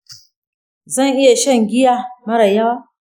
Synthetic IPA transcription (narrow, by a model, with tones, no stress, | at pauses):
zɐ˦˨ŋʔɪ˦ja˨ʃɐ˦˨ŋɡʲɪ˦ja˦mɐ˦ɾa˨jɐ˦waː˦